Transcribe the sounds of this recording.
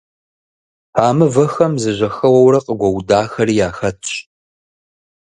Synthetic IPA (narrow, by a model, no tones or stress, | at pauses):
aːmɨvɐxɐmzɨʑʷɐxɐwɐwɾɐqʼəɡʷɐwdaːxɐɾiːjaːxɐtʰʼɕ